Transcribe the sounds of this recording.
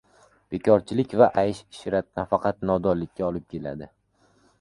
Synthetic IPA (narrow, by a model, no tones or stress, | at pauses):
b̥e̞kʰʲɒɾt͡ʃʰɪlɪkʲvaʔajɪʃɪ̥ʃɾat̪̚nafɑqʰɑt̪nɒd̪ɒɾlɪkʲːaɒlɪp̚kʲʰe̞la̰d̪ɪ